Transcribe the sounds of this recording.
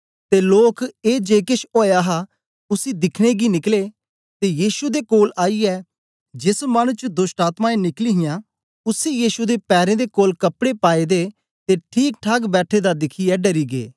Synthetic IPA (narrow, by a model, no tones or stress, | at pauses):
t̪eːloːkeːd͡ʒeːkɪʃʰoːjaːɦa | ʊsiːd̪ɪkʰɽ̃eɡinɪkleː | t̪eːjiːʃud̪eːkoːlaːiɛː | d͡ʒɪsməñt͡ʃəd̪ʊsʈaːt̪mãːẽnɪkliɦɪjãː | ʊsijiːʃud̪eːpɛːɾẽːd̪eːkoːlkəpɽepaːed̪eː | t̪eːʈʰiːk̚ʈʰaɡbɛːʈʰeːd̪aːd̪ɪkʰiɛːɖəɾiːɡḛː